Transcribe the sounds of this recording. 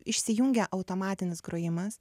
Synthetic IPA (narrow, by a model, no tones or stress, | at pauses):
ɪʃʲsʲɪjuŋʲɡʲɛʔɐʊt̪oːmɑːt̪ʲɪnʲɪsɡɾoːjɪmɐs